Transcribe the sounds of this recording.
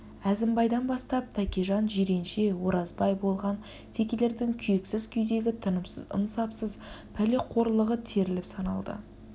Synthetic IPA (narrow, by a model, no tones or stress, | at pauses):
æzɪmbɑjd̪ɑnbɑst̪ɑp̚t̪ʰækʲeʒɑnʒiɾe̞nʃe̞wo̞ɾɑzbɑjbo̞lˠʁɑn | t̪ʰe̞kʲe̞le̞ɾd̪ɪŋkʲʰʏjeksɪz̥kʲʰʏjd̪e̞ɡʲɪt̪ʰənəmsəzə̰nsɑpsəzpʰæleqʰo̞ɾlˠəʁət̪ʰe̞ɾɪlɪpsɑnɑ̰lˠd̪ə̰